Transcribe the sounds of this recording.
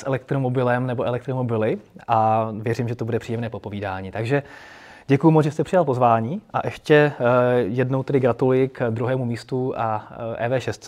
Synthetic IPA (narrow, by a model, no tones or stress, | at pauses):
sʔɛlɛk̚t̪ɾomobɪlɛmnɛboʔɛlɛk̚t̪ɾomo̞bɪlɪʔavjɛrimʒɛt̪obudɛpr̥iːjɛmnɛːpopo̞viːdaːɲiːt̪aɡʒɛ | ɟɛkujumod͡zʒɛst̪ɛpr̝̥ɪjalpo̞zvaːɲiːʔaʔɛʃcɛ | jɛdno̞wt̪ɛdɪɡɾat̪ulujɪkd̪ɾuɦɛːmumiːst̪uaʔɛ̰ːvɛːʃɛst̪